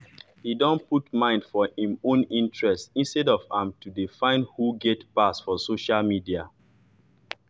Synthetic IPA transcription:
hidɔ̃nputmãɪ̃nd̥fɔĩmõnĩntɹɛstĩnstɛdɔvãmtudifãɪ̃nhuɡɛtpasfɔsoʃalmidia

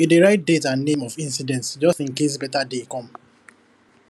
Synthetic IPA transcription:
ideɹaɪt̚detãnnẽmɔfĩnsidɛ̃ntsd͡ʒɔstĩŋkes̬bɛtadekɔ̃m

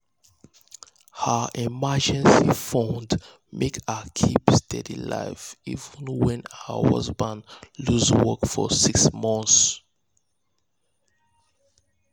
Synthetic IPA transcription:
həimad͡ʒɛ̃nsifɔ̃nd | mʔekʰakʰipstʰɛdḭla̰ɪvivə̃nwɛ̃naə̰hʌ̰zbãnluzwɔkfɔ̰siksmɔ̃nθs

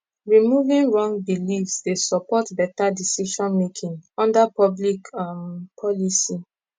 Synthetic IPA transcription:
ɹimuvĩnɹɔ̃ŋbilifsdesɔpɔtbɛtadisiʃɔ̃nmekʰĩŋɔ̃ndapɔblikmpʰɔlisi

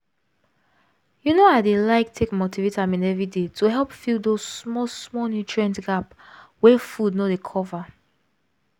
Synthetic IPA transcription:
junoaɪdelaɪk̚tʰekmotivetãmĩnɛvɹidetʰuɦɛlˠpfilˠdozsmɔsmɔnut͡ʃʰɹɛ̃ntɡap | wɛfudnodekʰɔva

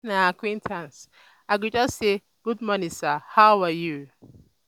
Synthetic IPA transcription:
naakwĩntʰãns | aɪɡʊd͡ʒɔsːe | ɡ̥udmɔnisahaʊaju

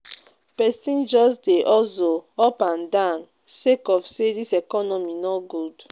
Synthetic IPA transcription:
pɛsĩnd͡ʒɔsdeʔɔsoɔpãndãn | sekɔfsedisɛkɔnɔminɔɡud

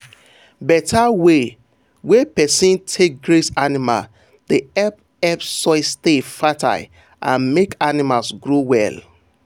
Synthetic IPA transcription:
bɛtʰawe | wepɛsĩntʰek̚ɡɹesanima̰l | d̥eɛp̚ | ɛpsɔɪstefatʰa̰ɪ | ʔãnmekanimalsɡɹowɛl

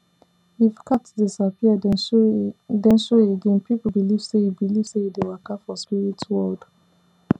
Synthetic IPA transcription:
ifkʰatdisapia | dɛ̃nʃoeɡẽnpipl̩biliv̥seibiliv̥sehidewakafɔspiɹitwɔld

